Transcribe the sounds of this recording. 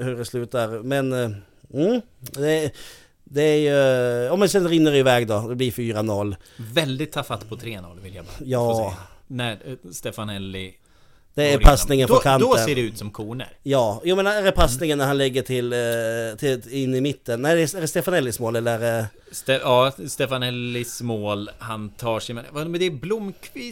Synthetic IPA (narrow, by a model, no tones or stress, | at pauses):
hɵɖɛslʉ̟ːt̪aɾmɛn | m̩ | d̪ɛ | d̪ɛæɾjɵjɑmɛnsɛnɾɪnːəɾɪvɛːɡd̪ɔd̪ɛblɪɾfyːɾanɔlːvɛld̪ɪt̪ʰːɑfat̪ːpʰɔt̪ʰɾeːnɔ̰lːvɪlja̰bjɑːnæst̪eːfanɛlːɪ̰ | d̪̥ɛːɾpʰasnɪŋənʰɔkʰand̪ɔseːɖɛʉ̟ːt̪sɔmkʰuːnə̰ɾjɑːjuːmɛnaæɾɛpʰasnɪŋənːæɾhanlɛɡːəʈʰɪlt̪ʰɪɪnːɪmɪt̪ʰːənːæɪd̪ɛɛɾɛst̪eːfanɛlːɪsmoːlɛlːəɛɾ | st̪ɛɑːst̪ɛfanɛlːɪsmoːlhant̪ʰɑːʂɛɪmɛnmɛd̪ɛːblʊmːkʰvɪ